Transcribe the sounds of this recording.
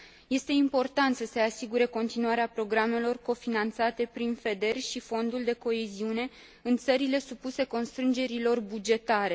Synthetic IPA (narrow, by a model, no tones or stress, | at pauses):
je̞st̪e̞impo̞rt̪ant̪səse̞asiɡuɾe̞ko̞nt̪inuaɾeapɾo̞ɡɾame̞lo̞rko̞finant̪sat̪e̞pɾinfe̞d̪e̞rʲʃifo̞nd̪uld̪e̞ko̞eziune̞ | ɨnt̪səɾile̞supuse̞ko̞nst̪ɾɨnd͡ʒe̞ɾilo̞rbud͡ʒe̞t̪aɾe̞